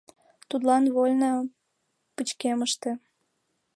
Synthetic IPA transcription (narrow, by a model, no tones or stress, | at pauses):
t̪ut̪lɑnβolʲnə | pət͡ɕkeməʃt̪ĕ